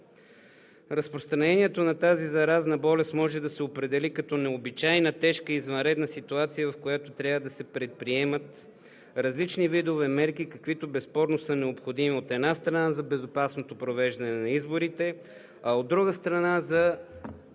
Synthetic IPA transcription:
ɾɐspɾost̪ɾɐnɛniɛt̪onɐt̪azizɐɾaznɐbɔlɛst̪mɔʒɛd̪ɐsɛopɾɛd̪ɛlikɐt̪ɔnɛobit͡ʃajnət̪ɛʃkəizvɐnɾɛd̪nəsit̪uat̪sijəvɐfkojat̪ot̪ɾʲjavəd̪ɐsɛpɾɛt̪̚pɾiɛmət̪ | ɾɐzlit͡ʃnivid̪ovɛmɛɾk̟ikɐkvit̪obɛspɔɾnosənɛopxod̪imiot̪ɛd̪nast̪ɾɐnazɐbɛzopasnot̪opɾovɛʒd̪ɐnɛnɐizboɾit̪ɛ | ɐod̪ːɾuɡəst̪ɾɐnazɐ

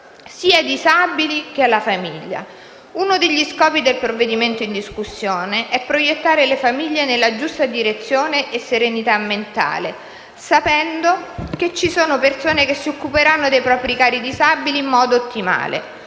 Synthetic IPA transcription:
siːad̪izabilik̟ealːafamiʎːa̰ | unod̪eʎːiskɔːpid̪elpɾovːed̪iment̪oind̪iskusːjoːneʔɛpːɾojet̪ːaːɾelefamiʎːenelːad͡ʒust̪ad̪iɾet̪sːjoːneʔesːeɾenit̪amːent̪a̰ːle | sapɛnd̪oket͡ʃːisoːnopersoːnek̟esːiokːupeɾanːod̪ejpɾɔːpɾikaːɾid̪izabiliːmːɔːd̪oːt̪ːima̰ːlḛ

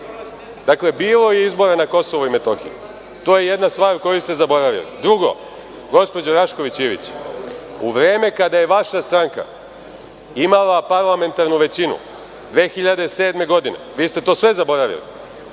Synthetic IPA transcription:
d̪̥akle̞biːlˠo̞jeizbo̞ɾanako̞so̞ʋoimet̪o̞xḭjṵ | t̪oːjeje̞d̪nast̪ʋaːɾuko̞just̪e̞zabo̞ɾaʋḭlḭd̪ɾuɡo̞̰ | ɡo̞spo̞d͡ʑoɾaʃko̞ʋit͡ɕiːʋḭt͡ɕ | uʋɾe̞ːme̞kad̪aje̞ʋaʃast̪ɾaŋka̰ | imalapaɾlˠame̞nt̪aɾnuʋe̞t͡ɕinṵ | d̪ʋe̞ːxiʎad̪e̞se̞ːd̪me̞ɡo̞d̪ine̞̰ʋiːst̪e̞t̪o̞ːsʋe̞zabo̞ɾaʋḭlḭ

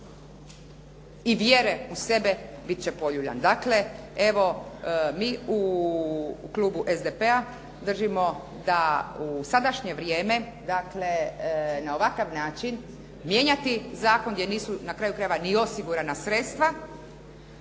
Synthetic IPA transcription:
iʋjeːɾeuse̞bebit̪̚t͡ɕe̞po̞ʎuʎa̰nd̪aːkle̞e̞ʋo̞miːu | kluːbuʔezd̪epea | d̪r̩ʒimo̞ | d̪ausad̪aʃɲe̞ʋɾje̞ːme̞ | d̪akle̞nao̞ʋakaʋnaːt͡ʃin | mje̞ːɲat̪izaːkonɡdjeniːsunakɾaːjukɾajeʋanio̞siɡuɾanasɾet̪st̪ʋa

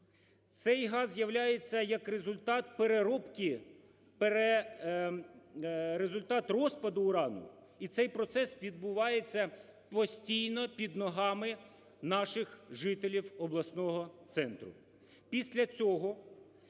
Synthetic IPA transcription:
t̪sɛjɦɑzːjɐwlʲajet͡sʲːɐjɐkrezʊlʲt̪ɑt̪̚peɾeɾɔpkʲi | peɾe | ɾezʊlʲt̪ɑt̪rɔspɐd̪ʊːɾɑnʊ̰ | it̪sɛjpɾɔt̪sɛsʋʲid̪̚bʊʋɑjet͡sʲːɐ | pɔsʲtʲijnɔpʲid̪nɔɦɑmɪ | nɑʃɪxʒɪt̪elʲiwɔblˠɐsnɔɦɔt̪sɛnt̪ɾʊ̰ | pʲisʲlʲɐt͡sʲɔɦɔ

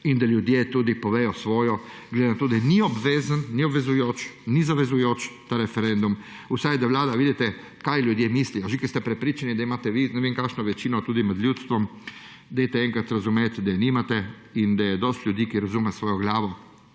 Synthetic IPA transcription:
ind̪aljud̪jet̪uːd̪ipɔʋeːjɔsʋɔːjɔɡled̪enat̪oːd̪aniɔbʋeːzanːiobʋɛzujoːt͡ʃnizaʋɛzujoːt͡ʃt̪aɾɛfɛɾɛnd̪um | usajd̪aʋlaːd̪aʋiːd̪it̪ɛ | kajlʲjud̪jemislijɔʒikɛɾst̪ɛpɾɛpɾiːt͡ʃanid̪aimaːt̪ɛʋinɛʋiŋkaːkʃnɔʋɛt͡ʃiːnɔt̪uːd̪inad̪lʲjuːt̪st̪ʋɔm | d̪ajt̪ɛɛŋkɾat̪ɾazumeːt̪d̪animat̪ɛ | ind̪ajɛd̪ɔst̪lʲud̪iːkiɾazumɛsʋɔːjɔɡlaːʋɔ

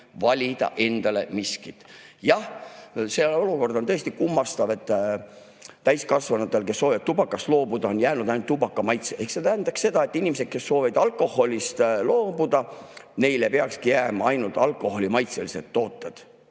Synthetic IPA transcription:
vɑlʲid̪ɑ̰ʔe̞nd̪̥ɑle̞̰miskit̪jɑhseo̞luko̞rd̪ot̪ɤ̞est̪ikumːɑst̪ɑvet̪ːˑ | t̪æjskɑsvɑnɑt̪ːˑe̞lke̞sːo̞ːviɑt̪t̪ubɑkːˑɑst̪lo̞ːbud̪̥ɑo̞njæːnud̪ɑjnult̪ːubɑkːˑɑmɑjt̪seʔehkset̪æɦːnd̪̥ɑkse̞d̪ɑe̞t̪ːˑinʲimese̞d̪̥̚ke̞sːo̞ːvid̪ɑlkˑo̞ho̞lʲist̪lo̞ːb̥ud̪̥ɑne̞jlepeɑkskijæːmɑɑjnult̪ɑlkˑo̞ho̞lʲimɑjt̪selise̞̰t̪ːo̞ːt̪ːˑed̪̥

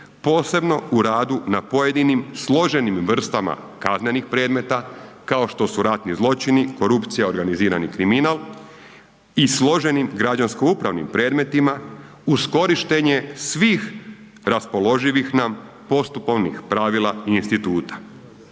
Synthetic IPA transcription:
po̞ːse̞bno̞uɾaːd̪unapo̞jed̪inimslˠo̞ʒe̞nimʋr̩st̪ama̰ | kaznenixpɾe̞ːd̪me̞t̪akao̞ʃt̪o̞suɾat̪nizlˠo̞t͡ʃiniko̞ɾupt̪sijao̞ɾɡaniziːɾa̰nikɾiminalˠ | islˠo̞ʒe̞nimɡɾad͡ʑansko̞upɾa̰ʋnḭmpɾe̞ːd̪me̞t̪ima | usko̞ɾiʃt̪e̞ɲe̞sʋiːx | ɾaspo̞lo̞ʒiʋixnam | po̞st̪upo̞ʋnixpɾaʋilaiːnst̪it̪uːt̪ḁ

